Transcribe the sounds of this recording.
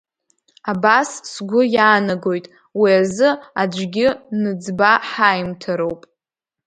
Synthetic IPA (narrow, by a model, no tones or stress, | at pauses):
abasːɡʷʊjaːnaɡo̞jtʼ | wiazɨad͡ʒʷɡʲɪnɨd͡zbaħajmtʰaɾowpʼ